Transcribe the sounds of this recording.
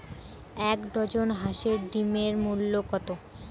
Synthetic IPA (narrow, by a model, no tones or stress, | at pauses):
ɛkɖʱɔd͡ʑonɦaʃeɾɖimeɾmulːokɔt̪o